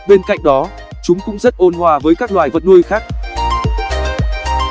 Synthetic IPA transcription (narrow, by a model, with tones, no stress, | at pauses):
ɓe˧nka̰˧˨jŋ̟ɗɔ˨˦ | t͡ɕʊ˨˦ŋ͡mkʊ̰˧˥ŋ͡mzə˦˥t̚ʔo˧nhwaː˧˩vəː˨˦jkaː˦˥k̚lwaː˨˩jvə˨˩t̚nu˧əjxaː˦˥k̚